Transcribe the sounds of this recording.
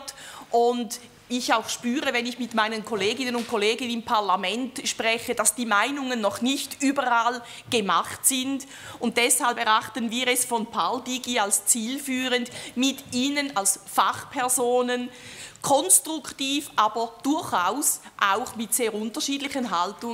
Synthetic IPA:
tʔʊnd | ɪçaʊxʃpyːʁəvɛnɪçmɪtmaɪnənkʰoleːɡɪnənʊnt̚kʰoleːɡənɪmpʰaɐlamɛntʃpʁɛçəd̥asd̥iːmaɪnʊŋənːɔχnɪçtyːbəʁal | ɡ̥əmaχtsɪnd | ʊnt̚d̥ɛshalpɛʁaχtənviːʁɛsfɔnpʰaldiːɡialst͡siːlfyːʁəndmɪtiːnənalsfaχpʰɛɐzoːnənkʰɔnstʁ̥ʊktiːfʔaːb̥ɐd̥ʊɐçaʊsʔaʊxmɪtseːɐʁʊntɐʃiːdlɪçənɦaltʊ

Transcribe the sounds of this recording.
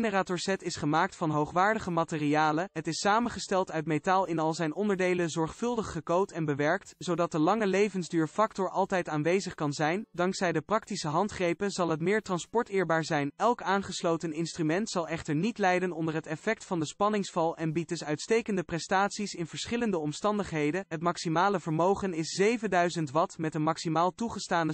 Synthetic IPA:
nəraːtʊɹsɛtɪsχəmaːk̚tfɑnɦowχʋaːɹdəχəmaːtɪriaːləɦətɪssaːmənχəstɛlˠtœɥtmejtaːlˠɪnɑlˠzɛjnɔndəɹdejləzɔɹχfɵlˠdəχːəkowtɛnbəʋɛɹk̚tsowdɑt̚dəlɑŋəlejvənzdyːɹfɑktɔɹʔɑlˠtɛjtaːnʋejzəχkɑnzɛjndɑŋksɛjdəprɑktisəɦɑntχrejpənzɑlˠɦətmɪːɹtrɑnspɔɹtɪːɹbaːɹzɛjnɛlˠkaːnχəslowtənɪnstrymɛntsɑlˠɛχtəɹnitlɛjdənɔndəɹɦətɛfɛk̚tfɑndəspɑnɪŋsfɑlˠɛnbid̚dɵsœɥtstejkəndəprɛstaːtsisɪnv̥əɹsχɪləndəɔmstɑndəχɦejdənɦətmɑksimaːləvəɹmowχənɪszejvəndœɥzəntʋɑtmɛtənmɑksimaːlˠtuχəstaːnə

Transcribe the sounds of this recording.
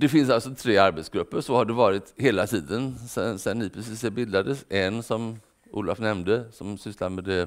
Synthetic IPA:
d̪ɛfɪns̬alsɔt̪ʰɾeːaɾbɛt̪sɡɾɵpːəɾʂɔhaɖɛvɑːɾɪt̪heːlat̪ʰiːd̪ənsɛnsɛnːɪːpʰɾɛsiːsɛbɪld̪ad̪əsʔɛnsɔm | ʔṵːla̰fnɛmnd̪əsɔmsʏslamɛd̪ɛ

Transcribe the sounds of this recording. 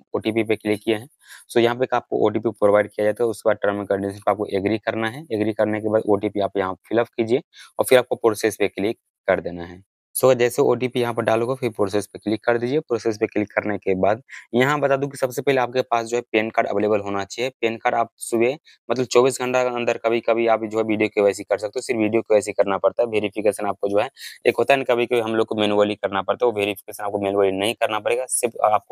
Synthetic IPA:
oːʈipipeklɪkːijeɦɛ̃ː | sojɐɦãp̬eekaːp̚ko̰ʔo̰ːʈ̬iːpipɾoːʋaːɪɖ̚kijad͡ʒaːt̪aɦɛʊskebaːd̪ʈɾaːmɪ̃kə̃ɳɖisə̃nkoaːp̚koʔeɡɾikɐɾnaɦɛeɡɾikɐɾnekebaːd̪oːʈipijɐɦãpɐjɐɦãfʰɪləfkiːd͡ʒieɔːɾfɪɾaːp̚kopɾoːseːspeklɪkːɐɾd̪eːnaɦɛː | sod͡ʒɛːseo̰ːʈ̬ipijɐɦãp̬ɐɾɖaːlõɡafʰɪɾpɾoːs̬eːspeklɪkːɐɾd̪iːd͡ʒiepɾoːseːs̬peklɪkːɐɾnekebaːd̪jɐɦãbɐt̪aːd̪ũk̬isɐbsepɛɦleaːp̚kepaːsd͡ʒoːɦɛpeːnkaːɖə̰ʋeːleːbəlɦoːnat͡ʃaɦiɛpeːnkaːɖaːp̚sʊbe | mɐt̪ləb̚t͡ʃɔːbiːsɡʱə̃ɳʈaɐ̃nd̪əɾkabʱikɐbʱiaːpd͡ʒoːɦɛʋiːɖijokiɛːsikɐɾsɐk̚t̪eosɪɾfʋiːɖijokoɛːsikɐɾnapɐɽt̪aɦɛbʱeːɾifikeːsənaːp̚kod͡ʒoːɦɛeːkɦoːt̪aɦɛɪnkabʱikɐbʱiɦɐmloːɡ̚komeːnuʋəlikɐɾnapɐɽt̪ẽɛobʱeːɾifʰɪkeːsənaːp̚komeːnuʋəːlinɐɦĩkɐɾnapɐɽeːɡasɪɾfʰaːp̚ko

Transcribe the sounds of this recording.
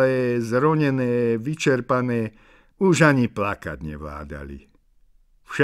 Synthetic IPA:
ɛːzɾɔɲɛnɛːʋit͡ʃɛɾpanɛː | uʒaɲiplaka̰d̪ɲɛ̰ʋla̰ːd̪a̰lḭ | fʃɛ

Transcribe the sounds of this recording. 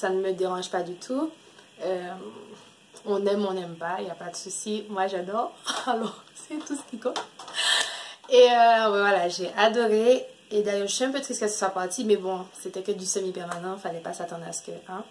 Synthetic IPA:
sanəməd̪eʁɑ̃ʒpad̪yt̪ʰu | ø | ɔ̃nɛmɔ̃nɛmpailjapad̪əsusimwaʒad̪ɔʁalɔʁsɛt̪usə̥kʲikɔ̃t̪ | eølɔwɛvwalaʒeʔad̪ɔʁeed̪ajœʁʒəsiɛ̃p̬øt̪χiskɛlsə̥swapaʁt̪imɛbɔ̃set̪ɛkəd̪ysəmipɛʁmanɑ̃ifalɛpasat̪ɑ̃d̪ʁasə̥kəʔɛ̃

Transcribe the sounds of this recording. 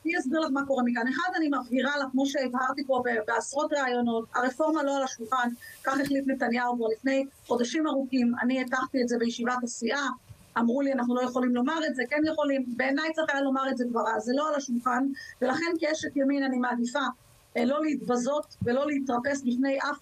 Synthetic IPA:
niasbiʁlaχmako̞ʁemikaneχadanimafɡiʁalaχkmo̞ʃe̞ːvhaʁt̪ipo̞bebeasʁo̞tʁeajo̞no̞t̚aʁefo̞ʁmalo̞alaʃulχankaχeχlitletanjaukvalifne̞jχo̞d̪aʃimaʁukima̰nietaχt̪ietze̞bejeʃivatasiʔaː | mʁulianaχnulo̞je̞χo̞limlo̞maʁetze̞kenjeχo̞limbe̞ːnajtt͡sʁeχajalo̞maʁezeɡvaʁaze̞lo̞alaʃulχanve̞laχe̞nkeʃetjaminanimaːdifa | lo̞lehitbazo̞tve̞lo̞leit̪ʁape̞sbifne̞jʔaf

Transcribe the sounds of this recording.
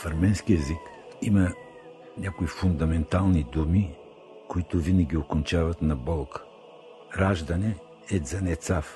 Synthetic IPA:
fɐɾmɛnskiɛzik | imə | nʲakoifʊnd̪ɐmɛnt̪alˠnid̪umi | koit̪ʊvinəɡʲiokont͡ʃavɐt̪nɐbɔlˠk | ɾaʒd̪ɐnɛ | ɛd̪zɐnɛt̪saf

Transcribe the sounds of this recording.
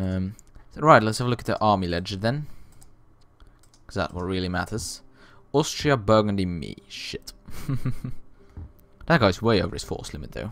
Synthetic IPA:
ʌ̃mɹaɪtˡlətshævəlʊkət̪̚ðḭʔɑɹmilɛd͡ʒɨd̪̚ðɨ̃n | kʰʌzðæ̰twʌt̚ɹɪlˠimæɾə˞z̥ | ɔˑstɹ̥iəbɜ˞ɡə̃ndimḭʃɪt | ðət̚ɡ̥aɪzweɪoʊvə˞ɨz̥fɔ̰ɹslɪmɨt̪̚ðo̰ʊ

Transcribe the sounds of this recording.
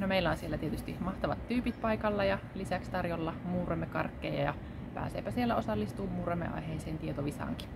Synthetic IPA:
nomeilːˑæonsielːæt̪ie̞t̪yst̪imɑht̪ɑʋɑ̰t̪tyːpit̪̚pɑikɑlːɑjɑlisækst̪ɑrjolːɑmuːremːekɑ̰rkːejɑ̰jɑ̰ | pæ̰ːsḛːpæsielːæʔo̞sɑlːist̪uːmmuːremːḛʔɑ̰jɦeiseːnt̪iet̪oʋisɑ̰ːŋki̥

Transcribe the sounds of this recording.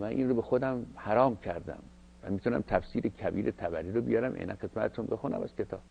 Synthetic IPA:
mænʔḭːnrobexod̪æmhæɾɒːmcʲʰæɾd̪æ̰m | væ̰mit̪ʰunæ̰mt̪ʰæfsiːɾekʰæbiːɾet̪ʰæbæɾiːɾobijɒːɾæmʔḛnænxed̪mæt̪et̪unbexunæ̰mæ̰z̥kʲʰet̪ʰɒ̰ːb̥

